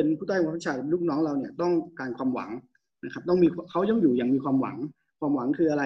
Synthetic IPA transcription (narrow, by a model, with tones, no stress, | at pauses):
e˧npʰuː˥˩t̪ʰːt͡ɕʰaː˧jluː˥˩k̚nɔː˦˥ŋɾa˧wni˥˩ɐt̪ɔ˥˩ŋkaː˧nkʰwaː˧mwa̰˩˦ŋ | na˦˥kʰa˦˥p̚t̪ɔ˥˩ŋmiː˧kʰa˦˥wja˧˩ŋjuː˨˩jaː˨˩ŋmiː˧kʰwaː˧mwa̰˩˦ŋ | kʰwaː˧mwa˩˦ŋkʰɯː˧ʔa˧ɾa˧